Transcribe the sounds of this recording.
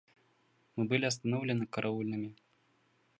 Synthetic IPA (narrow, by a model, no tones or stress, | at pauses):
mɨbɨlʲiɐst̪anɔwlʲɛnɨkɐɾʔaulʲnɨmʲi